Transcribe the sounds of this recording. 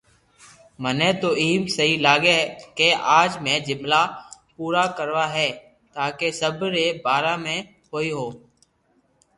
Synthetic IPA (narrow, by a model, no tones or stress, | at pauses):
mənẽːt̪oːiːmsəɦiːlaːɡeːkeːʔaːd͡ʒmẽːd͡ʒɪmlaːpuːɾaːkəɾʋaːɦɛː | t̪aːkeːsəbɾeːbaːɾaːmẽː | ɦoːiːɦoː